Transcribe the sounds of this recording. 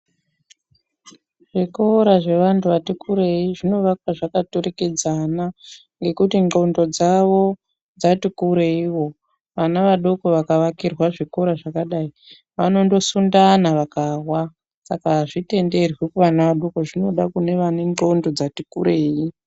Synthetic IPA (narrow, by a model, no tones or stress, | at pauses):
ʐ̥ikoɾaʐe̞ʋantuʋatikuɾeiʐino̞ʋakwaʐakatoɾe̞ke̞d͡zana | ŋɡe̞kutiŋ͡ǃɡo̞ndo̞d͡zaʋo̞ | d͡zatikuɾeiwo̞ | ʋanaʋaɗo̞ko̞ʋakaʋakirwaʐiko̞ɾaʐakaɗai | ʋano̞ndo̞sundanaʋakawa | sakaʐite̞nde̞rwikuʋanaʋaɗo̞ko̞ʐino̞ɗakune̞ʋane̞ŋɡo̞ndo̞d͡zatikuɾeːi